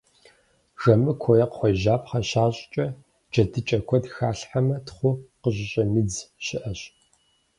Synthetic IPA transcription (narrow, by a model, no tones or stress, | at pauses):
ʐɐmɨkʷʰɔjɐqχʷɔjʒaːpχɐɕaːɕʼt͡ʃʼɐ | d͡ʒɐdɨt͡ʃʼɐkʷʰɔdxaːɬħamɐtχʷʊqəʑɪɕʼɐmɨd͡zɕɪʔɐɕ